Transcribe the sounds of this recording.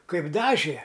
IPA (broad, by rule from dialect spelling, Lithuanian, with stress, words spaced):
ˈkɐɪp ˈdɑːʒʲeː